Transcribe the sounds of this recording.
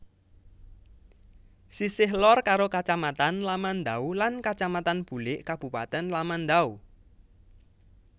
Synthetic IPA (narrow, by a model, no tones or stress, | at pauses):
sisɪɦlɔrkaɾokat͡ʃamat̪anlamand̪aulankat͡ʃamat̪anb̥ṳlɪʔkab̥ṳpa̰t̪ɛnlamand̪au